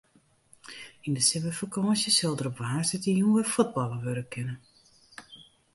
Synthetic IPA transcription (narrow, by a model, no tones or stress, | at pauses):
indəsɪvəfəkɔːnsjəsɪlˠdərɔpʋaːsɪtəjuʋəfod̚bɔlˠəʋøɾəkʰɪnən